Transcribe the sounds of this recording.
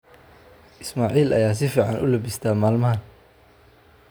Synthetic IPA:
ʔɪsmaːʕiːlɐ̰jaːs̬ɪfiːʕɑnʔʊ̰lɐbɪst̪ʰaːmaːlmɐhɐn

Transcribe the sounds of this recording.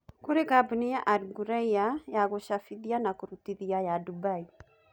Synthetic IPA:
koɾekabunijaʔaɾɡuɾaiajaɣoʃafiðianakoɾutiðiajadubai

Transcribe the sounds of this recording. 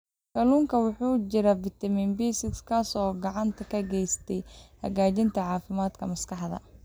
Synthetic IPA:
kʰɐluːŋkʰɐwʊħuːt͡ʃɪɾɐbɪt̪ʰɐmɪnbiːsɪkskʰasɔːɡɑʕɑnt̪ʰɐkʰɐɡɛjst̪ʰɛjhɐ̰ɣaːt͡ʃɪnt̪ʰɐʕɑːfɪmaːd̪kʰɐmɐskɑħd̪ɐ̰

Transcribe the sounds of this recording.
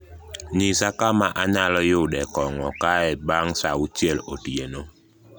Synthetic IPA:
ɲisakamaʔaɲalɔjʊdɛkɔŋɔkaɛbaŋsaut͡ʃeloteno

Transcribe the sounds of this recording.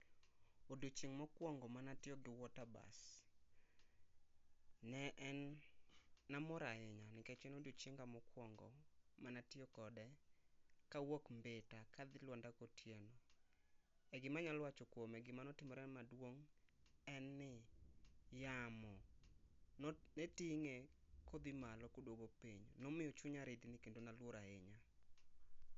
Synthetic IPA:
odut͡ʃɪŋmɔkwɔŋɡɔmanatjɔɡɪwɔtaba̰s | nɛʔɛnː | amɔɾaɪɲanɪket͡ʃenodut͡ʃɪŋɡamɔkwɔŋɡɔ̰manatjokɔdɛ | kawokmbetakad̪ɪlwɔndakotjenɔ | ɛɡɪmaɲalwat͡ʃɔkwomɛɡɪmanɔtɪmɔɾɛnmadwoŋ | ɛnːɪ | jamɔ | nnetiŋe | kod̪ɪmalɔkodwoɡopiɲnɔmɪjɔt͡ʃʊɲaɾɪd̪ɪnɪkendonalwoɾaɪɲa

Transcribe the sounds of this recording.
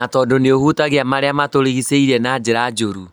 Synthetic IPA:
natɔːdoneohuːtaɣeamaɾeamatoɾeɣiseiɾɛnad͡ʒeɾad͡ʒoɾu

